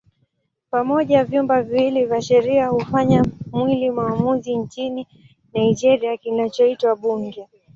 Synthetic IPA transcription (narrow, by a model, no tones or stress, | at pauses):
pamɔʄavjumbaviwilivjaʃɛɾiahufaɲamwilimaːmuziɲt͡ʃini | naiʄɛɾiakinat͡ʃɔitwaɓuŋɡɛ